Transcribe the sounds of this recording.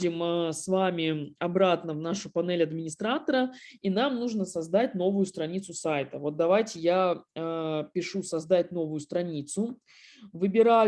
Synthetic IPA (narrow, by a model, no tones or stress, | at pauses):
dʲɪməsvamʲɪɐbɾat̪nəvnaʂʊpɐnɛlʲɐd̪mʲɪnʲɪst̪ɾat̪əɾəinamnuʐnəsɐzd̪atʲno̞vʊjʊst̪ɾɐnʲit̪sʊsajt̪əvo̞t̪̚d̪ɐvajtʲɪjaəpʲɪʂusɐzd̪atʲno̞vʊjʊst̪ɾɐnʲit̪sʊ | vɨbʲɪɾa